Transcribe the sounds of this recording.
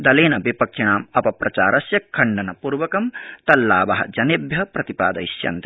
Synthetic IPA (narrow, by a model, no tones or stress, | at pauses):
d̪ɐleːnɐʋipɐkʂiɳaːmɐpɐpɾɐt͡ʃa̰ːɾɐsjɐkʰːɐɳɖɐnɐpuːɾʋɐkɐmt̪ɐlːaːʋɐɦɐ̰d͡ʒɐnebjɐpɾɐt̪ipa̰ːd̪ɐ̰iʃjɐ̰nt̪i